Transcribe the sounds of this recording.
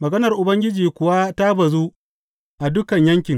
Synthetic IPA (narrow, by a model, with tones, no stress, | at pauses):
mɐ˨ɡɐ˦nɐ˨rʔʊ˨bɐ˦ŋɡʲɪ˦d͡ʒiː˨kʷʊ˨wa˦ta˦bɐ˨zu˦ | ʔa˨dʊ˦kɐ˨ɲjɐ˦ŋkʲɪ˨ŋ